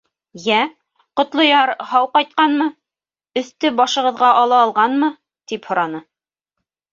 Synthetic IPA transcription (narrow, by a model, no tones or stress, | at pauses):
jæ | qŏt̪lˠŏjɑɾhɑwqɑjt̪̚qɑnmɤ | ɵ̆θt̪ɵbɑʃɤ̆ʁɤ̆ðʁɑʔɑlˠɑːlˠʁɑnmɤ | t̪iphŏɾɑnɤ